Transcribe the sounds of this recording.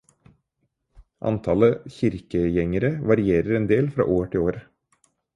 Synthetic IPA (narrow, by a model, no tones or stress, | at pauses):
ʔɑ̰nt̪ʰɑləçɪɾkəjɛŋəɾəʋɑɾɪeːɾəɾɛnd̪eːlfɾɑ̰ːʔoːʈʰɪloːɾ